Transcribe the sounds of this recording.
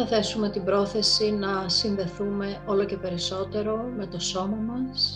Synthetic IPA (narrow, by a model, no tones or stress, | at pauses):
ɐθe̞sume̞t̪ibɾo̞θe̞sinɐsinðe̞θume̞o̞lo̞ce̞pe̞ɾiso̞t̪e̞ɾo̞me̞t̪o̞so̞mɐmɐs